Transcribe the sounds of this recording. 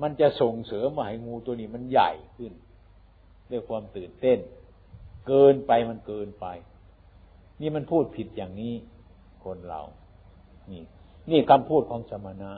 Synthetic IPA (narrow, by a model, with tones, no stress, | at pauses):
ma˧˥˨nt͡ɕa˧˨so˨˩ŋsɤː˨˦mɯ˧˩ɐ˨ha˨˩jŋuː˧t̪u˧niː˧˩ma˧˥˨nja̰˨˩jkʰɯ˧˩n | du˥˩əjkʰwuː˧mt̪ɯː˨˩nt̪e˥˩˨n | kɤː˧npa˧jma˧˥˨nkɤː˧npa˧j | niː˧˥˨ma˧˥˨npʰuː˥˩t̪̚pʰi˧t̪̚jaː˨˩ŋniː˦˧˥ | kʰo˧˥nɾa̰˨˧˩w | niː˧˩ | niː˧˥˩kʰa˧mpʰuː˥˩t̪̚kʰɔː˨˦ŋsa˧ma˧naː˧˥